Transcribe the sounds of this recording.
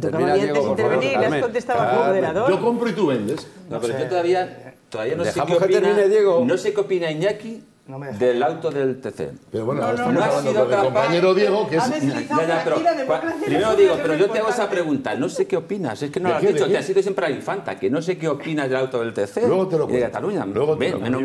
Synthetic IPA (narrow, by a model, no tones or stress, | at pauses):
t̪niesit̪eɾβeniɾleakont̪est̪aðaooðeɾaðookompɾoit̪̬uβend̪esnopeɾoʝot̪oðaβiat̪oðaβianosekeoepieɾmineðjeɣono̞se̞keopinaiɲaki | ðe̞lawt̪o̞ðe̞lt̪eθḛpeɾoβwenoanoaasaiðoaompaɲeɾoðje̞ɣ̞okeaʝapeɾokapɾimeɾoðiɣope̞ɾoʝo̞t̪eaɣoesapɾe̞ɣunt̪ano̞se̞keo̞pina̰seskenooðit͡ʃoeasiðos̬jempɾealiɱfant̪a̰ke̞no̞s̬e̞keo̞pinazðe̞lawt̪oðe̞lt̪eθelweɣot̪eloḭðekat̪aluɲa̰lweɣobemẽno